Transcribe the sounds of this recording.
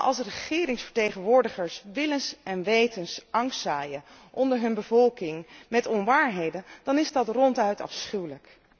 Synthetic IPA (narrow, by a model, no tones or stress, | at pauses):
ʔɑ̰lˠsrəχɪːɾɪŋsfəɹtejχənʋʊːɹdəχəɹsʋɪlənsɛnʋejtənsʔɑŋstsaːjə | ʔɔndəɹɦɵnbəvɔlˠkɪŋmɛtɔnʋaːɹɦejdənd̥ɑnɪzdɑtrɔntœɥtɑ̰fsχywlək